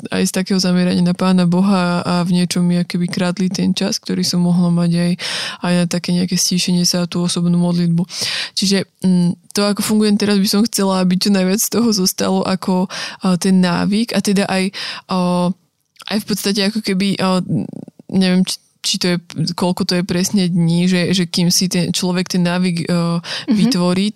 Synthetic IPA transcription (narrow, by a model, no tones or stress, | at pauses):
a̰jst̪akɛːɦɔzamɛɾaɲɪanapaːnabɔɦaavɲɪɛt͡ʃɔmːiakɔ̥kɛbikɾad̪lit̪ɛnt͡ʃask̚t̪ɔɾiːsɔmːɔɦlamaɟajajnat̪akɛːɲɛakɛːsciːʃɛɲɪɛsat̪uːɔsɔbnuːmɔd̪lid̪̚but͡ʃiʒɛt̪ɔakɔfuŋɡujɛmt̪ɛɾazbisɔmxt͡sɛlaabit͡ʃɔnajʋɪat͡sst̪ɔɦɔzɔst̪a̰lɔʔakʰɔt̪ɛnːa̰ːʋiɡat̪ɛd̪aʔaj | ʔa̰jfpɔt̪st̪acɛakɔkɛbiʔ | ɲɛʋɪɛm | t͡ʃit̪ɔjɛkɔlkɔt̪ɔjɛpɾɛsɲɛd̪ɲiʒɛʒɛkimsit̪ɛnt͡ʃlɔʋɛkt̪ɛnːaːʋiːɡ | ʋit̪ʋɔɾiː